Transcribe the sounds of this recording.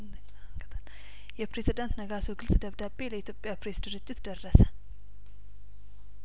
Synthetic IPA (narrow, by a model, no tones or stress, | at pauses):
kət̪ʰʼəl | jɛpɾe̞zid̪ant̪nəɡasoɡɨlsʼd̪əβd̪abːe̞ləit̪ʰjopʼjapɾe̞sd̪ɨɾɨd͡ʒːɪt̪d̪ərːəsə̥